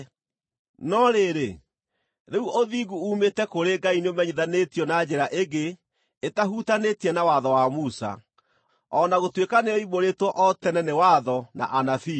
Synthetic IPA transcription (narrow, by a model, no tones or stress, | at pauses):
nɔɾeɾe | ɾeuʔoðiɡuuːmetɛkoɾeɡaineomɛɲiðanetjɔnad͡ʑeɾaʔeɡe | etaɦutanetiɛnawaðɔwamusa̰ | ɔnaɣotwekaneɔiβoɾetwɔʔɔtɛnɛnewaðɔna̰ʔanafi